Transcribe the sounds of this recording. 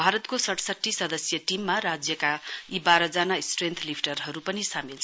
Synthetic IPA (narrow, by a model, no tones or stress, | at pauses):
bʱaɾʌt̪kosʌʈsʌʈʰːisʌd̪ʌsjʌʈimːaɾad͡zjʌkaibaɾʌd͡zanasʈrent̪ʰlipʰʈʌrɦʌɾupʌnisamilt͡sʰ